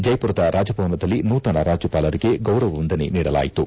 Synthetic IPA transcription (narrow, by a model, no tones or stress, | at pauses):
d͡ʒɐjpuɾɐd̪ɐɾʔaːd͡ʒɐpɐʋnɐd̪ɐlːinuːt̪ɐnɐɾaːd͡ʒupaːlɐɾiɡe̞ɡɐwɾɐʋɐʋond̪ɐnḛniːɽɐla̰ːjit̪u